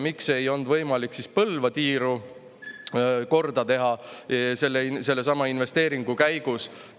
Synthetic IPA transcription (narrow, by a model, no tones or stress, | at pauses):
mikse̞jo̞nd̪̥vɤ̞jmɑlikːsispɤlvɑt̪iːɾu | ko̞rd̪̥ɑt̪e̞ɦɑse̞lːese̞lːe̞s̬ɑmːɑinve̞st̪e̞ːɾiŋɡ̥ukæjɡ̥us